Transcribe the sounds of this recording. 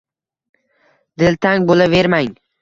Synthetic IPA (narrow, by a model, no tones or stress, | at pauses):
d̪̥ɪlt̪ʰaŋbolaveɾmaŋ